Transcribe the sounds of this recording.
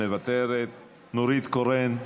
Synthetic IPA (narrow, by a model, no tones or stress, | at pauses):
eβat̪eɾet̪ | nuɾit̪koren